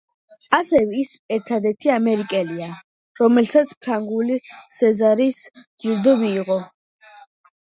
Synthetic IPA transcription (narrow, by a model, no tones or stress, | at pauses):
asɛvɛisɛɾt̪ʰad̪ɛɾt̪ʰiamɛɾikʼɛlia | ɾɔmɛlsat̪sʰpʰɾaŋɡulisɛzaɾisd͡ʒiɾd̪ɔmiːʁɔ